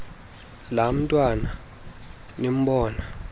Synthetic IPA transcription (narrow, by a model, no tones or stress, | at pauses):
lam̩tʼwana | nem̩ɓɔːna